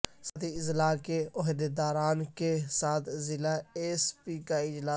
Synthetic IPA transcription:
sɐt̪ʰiɪzlaːkeɔɦd̪ed̪aːɾaːnkesaːt̪ʰzɪlaeːspikaɪd͡ʒlaː

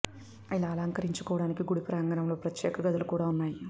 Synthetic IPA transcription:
ɐjilaːlaːŋkɐɾiɲt͡ʃukɔːʋɐɽaːnikiɡuɽipɾaːŋɡɐɾɐmlo̞ːpɾɐt̪jɛːkɐɡɐd̪ɐlukuːɽaːunːaːji

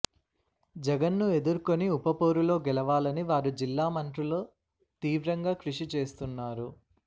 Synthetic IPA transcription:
d͡ʒɛɡɐnːue̞d̪uɾuko̞niupɐpoːɾulo̞ːɡɛlɐʋaːlɐniʋaːɾud͡ʒilːaːmɐɳʈɾulo̞ː | t̪iːʋɾɐŋɡaːkɾuʂit͡ʃe̞ːst̪unːaːɾu

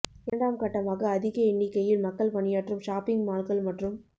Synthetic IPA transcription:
ɪɾɐɳɖaːmkɐʈːɐmaːɣɐːðɪɣɐɪɳːɪkːɐjɪlmɐkːɐɭpɐɳɪjaːʈrɯmʃaːpɪŋɡmaːlɣɐɭmɐʈrɯm

